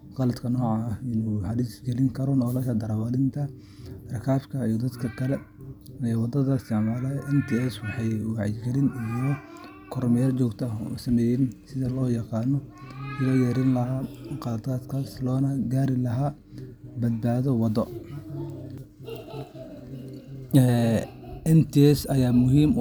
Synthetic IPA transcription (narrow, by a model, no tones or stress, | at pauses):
qɑlɐd̪kʰɐnɔːʕɑɪnʊhɐɾisɡɛlɪŋkʰɐɾɔnɔːlɐʃɐd̪ɐɾɐwalɪnt̪ʰɐ | rɐkʰaːfkʰɐijɔd̪ɐd̪kʰɐkʰɐlɛ | ɛːwɑd̪ɐðɐɪst̪ʰɪʕmaːlɛʔɛnt̪ʰɪɛswɑħɑjwɑʕjɪɡɛlɪnijɔ | kʰɔrmɐjaːlt͡ʃɔːɡt̪ʰɐɔ̰sɐmɛːjɛnsɪðɐlɔːjɑqɑːnɔʊɣɐjɛːɾɪnlɐɦaːqɑːd̪aːd̪kʰaːslɔːnɐɡaːɾɪlɐɦaː | bɐd̪̚baːðɔwɑd̪ɔ | ɛ | ɛnt̪ʰɪɛsɐjaːmʊɦiːm